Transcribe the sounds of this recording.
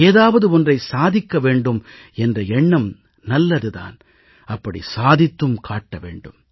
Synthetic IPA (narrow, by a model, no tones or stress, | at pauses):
eːðaːʋɐðɯɔndrɐɪsaːðɪkːɐʋeːɳɖɯm | ɛndrɐɛɳːɐm | nɐlːɐðɯða̰ːn | ɐpːɐɽḭsaːðɪt̪ːɯmkʰaːʈːɐʋḛːɳɖɯm